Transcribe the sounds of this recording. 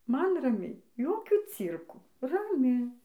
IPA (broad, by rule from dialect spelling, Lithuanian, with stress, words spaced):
ˈmɐn rɐˈmʲɛɪ ˈjoːkʲuː ˈt͡sʲiːrkuː rɐˈmʲɪ